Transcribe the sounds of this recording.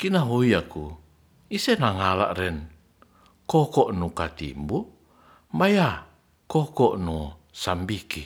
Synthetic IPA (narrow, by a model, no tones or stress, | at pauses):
kinaɦoiaku | isɛnaŋala̰ʔrɛn | kɔkɔʔnukat̪ḭmbu | mbaja | kɔkɔʔnu | sambiki